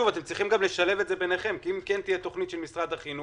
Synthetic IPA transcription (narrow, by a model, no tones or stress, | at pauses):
uvat̪e̞mt͡sʁiχimɡamleʃalevet̪zebe̞neχe̞mkiimkent̪ijet̪o̞χnit̪ʃelmisʁad̪haχinu